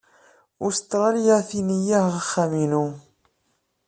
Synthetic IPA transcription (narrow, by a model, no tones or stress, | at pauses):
ʊst̪ˤːɾˤɑljæʁθinijæhʁəχːæminu